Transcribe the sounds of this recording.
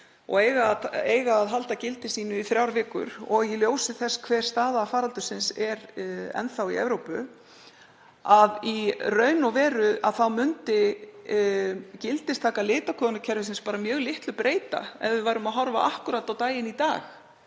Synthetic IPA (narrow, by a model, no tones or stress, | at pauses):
ɔ̰ɣeːjɣateːjɣaːðɦalt̪acɪlt̪ɪsiːnʏiθɾjawɾvɪːkʏ̰ɾɔɣiljoːwsɪθɛskʰvɛːɾ̥st̪aːðafaːɾalt̪ʏsɪnsɛɾɛ̰nθawḭɛ̰vɾowpʏ | aðirœːɥnɔvɛːɾʏa̰ðθawmʏnt̪ɪ | cɪlt̪ɪst̪ʰaːkalɪːt̪akʰɔːnacʰɛɾvɪsɪnspaːɾamjœːɣlɪht̪lʏpɾeːjt̪a̰ɛ̰vɪðvaːjɾʏmaðɦɔɾva̰ʔahkʏɾat̪ːawt̪aːjɪnit̪a̰ːx